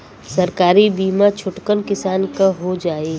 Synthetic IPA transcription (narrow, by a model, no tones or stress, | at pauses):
sɐɾkaːɾibiːmat͡ʃʰʊʈkənkɪsaːnkaɦod͡ʒaːeː